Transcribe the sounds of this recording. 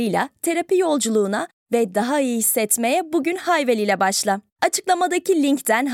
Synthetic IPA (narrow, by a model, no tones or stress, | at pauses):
ɯjlʲˠa̰t̪ʰe̞ɾapijo̞lˠd͡ʒulˠuːna | vɛd̪aɦaɯjɯhisːɛt̪me̞jɛbuɟynhajvelʲiːlʲɛbaʃlˠa | at͡ʃʰɯklˠamad̪acʰilʲiɲct̪ʰænɦ